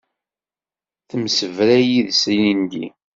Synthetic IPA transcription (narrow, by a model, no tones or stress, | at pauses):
θəmsəvɾæjiðsijind̪ḭ